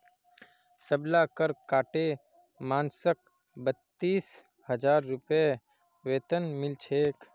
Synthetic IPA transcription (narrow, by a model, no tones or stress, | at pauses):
səblaːkəɾkaːʈe | maːnsək̚ | bət̪ːiːs | həd͡ʒaːɾːʊpje | ʋeːt̪ənmɪlt͡ʃʰeːk